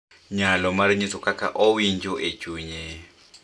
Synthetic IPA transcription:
ɲalɔmaɾiɲit͡sʼɔkʼakʼa̰ʔoind͡ʒʼɔʔet͡ʃʼuːɲɛ

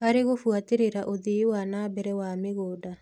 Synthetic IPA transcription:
aɾeɣofwateɾeɾaʔoðewanabɛɾɛwameɣoːda

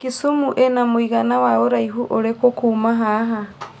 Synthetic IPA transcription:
kisumuʔenamuiɣanawaoɾajɦuʔoɾekokumaɦaɦa

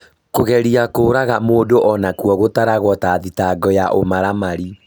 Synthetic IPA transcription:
koɣɛɾiakoːɾaɣamoːdoʔɔnakwɔɣotaɾaɣwɔtaːðitaɡɔjaʔomaɾamaɾi

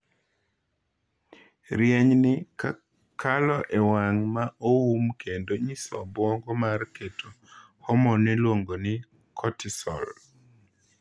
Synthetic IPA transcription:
ɾjɛɲnɪa | kʰalɔʔewaŋmaʔoumkʰendoɲisɔ̰bɔŋɡɔmarketʰo | hɔmɔnɛlwoŋɡonɪ | kʰɔtɪsɔ̰l

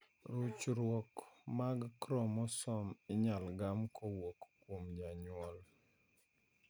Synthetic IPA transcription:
ɾut͡ʃɾwɔkmaɡkɾɔmɔsɔmɪɲalɡamkɔwokːwomd͡ʒaɲʊɔl

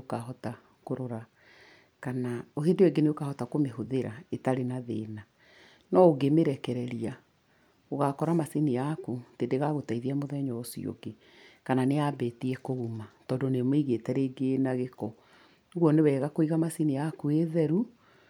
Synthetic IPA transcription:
okaɦɔta | koɾoɾa | kanaoɦendeeɡeneokahɔtakomehoðeɾa̰etaɾenaðḛːna | nɔːɡemeɾɛkɛɾɛɾia | oɣakɔɾamasenijakutedeɣaɣotaiðiamoðɛɲɔosḭo̰ɡe | kananeabetiɛkoɣumatɔːndonemiɣetɛɾeːɡenaɣekɔ | oɣwɔnewɛːɣakoiɣamasinijakueðɛɾu

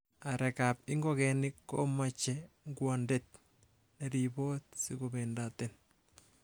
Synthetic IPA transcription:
aɾɛkap̚ɪŋɡɔkɛnɪkːomat͡ʃɛ | ŋɡwandɛt̪̚ | nɛɾibot̪sikobɛndat̪ɛn

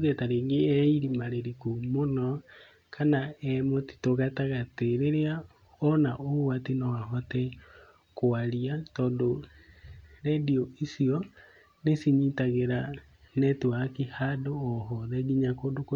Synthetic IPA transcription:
ɣɛtaɾeːŋɡeɛiɾimaɾeɾikumonɔ | kʰanaɛmoti̥toɣataɣateɾeɾea | ɔnaʔowatinawaɦɔtɛ | koaɾiatɔːndo | ɾɛdioisiɔ | nesiɲitaɣeɾa | nɛtuakihadoːɦɔðɛɡiɲakondok

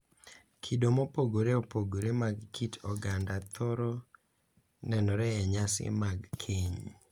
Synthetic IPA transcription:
kʰidomopoɡoɾeopoɡoɾemaɡkʰitɔɡandat̪ʰɔɾɔ | nɛnɔɾɛɛɲasɪ̰maɡkʰeɲ

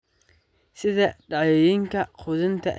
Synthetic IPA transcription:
sɪðɐɖɑʕɛjiŋkʰɐqʰʊðɪnt̪ʰɐʔ

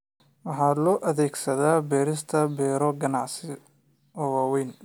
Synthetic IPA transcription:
wɑħɑːlɔːʔɐðɛːɡsɐðaːbɛːɾɪst̪ʰɐbɛːɾɔɡɐnɑʕsɪ | ɔwawɛjn

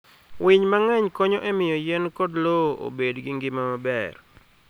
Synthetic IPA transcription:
wʔɪɲmaŋɛɲkɔɲɔʔɛmɪjɔjɛnkodloo̰bedɡɪŋɡɪmamabɛ̰r

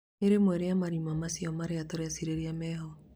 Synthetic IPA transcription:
eɾemwɛɾeamaɾimamasiɔmaɾeatoɾeasiɾeɾiamɛːɦɔ

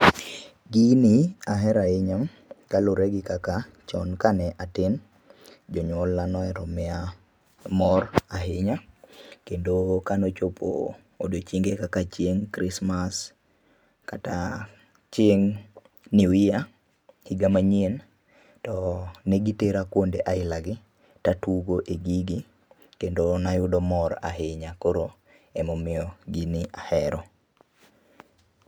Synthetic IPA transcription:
ɡinɪaɦɛɾaɪɲam | kaloɾeɡɪkaka | t͡ʃɔnkanɛʔatɪn | d͡ʒɔɲwɔlːanɔɛɾɔmɛa | mɔraɦɪɲakendokanot͡ʃopʰo̰ | o̰dot͡ʃiŋɡekakat͡ʃjeŋkɾɪsmas | kata | t͡ʃeŋ | niwɪja | hiɡamaɲen | tɔneɡiteɾakwondeʔaɪlaɡɪ | tatuɡoʔeɡiɡi | kendonajʊdɔmɔɾa̰ɦeɲakoɾo | ɛmɔmɪɔɡinɪʔahɛɾɔ

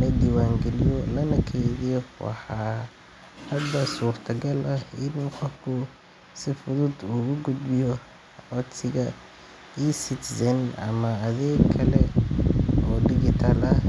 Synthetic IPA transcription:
lɐd̪iːwaːŋɡɛlɪjɔlɐnɐkʰɛjðijwɑ̰ħɑː | hɐd̪ɐsuːrt̪ʰɐɡɐlʔɐɪnuqɔfkʰʊ | sɪfʊðʊd̪uːɣʊɡʊd̪bɪjɔ | ɔsɪɣɐ | iːsɪt̪ʰsɛnɐ̰mɐːðɛːɡkʰɐlɛ | ɔːɖɪɣɪt̪ʰalɐ

